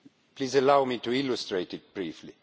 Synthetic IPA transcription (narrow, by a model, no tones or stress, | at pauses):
pʰlizəlaʊmituɪlustɹeɪtɪt̚b̥ɹiːfli